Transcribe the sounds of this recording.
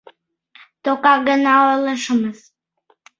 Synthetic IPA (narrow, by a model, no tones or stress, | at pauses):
t̪okɑɡənɑojləʃəməz